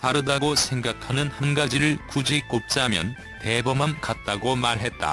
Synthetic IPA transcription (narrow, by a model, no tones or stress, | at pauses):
taɾɯdaɡosʰe̞ŋɡakʰanɯnhanɡad͡ʑiɾɯɭkud͡ʑik͈op̚t͡ɕ͈amjʌ̰n | te̞bʌmankat̚t͈aɡomaɭɦe̞t̚t͈a̰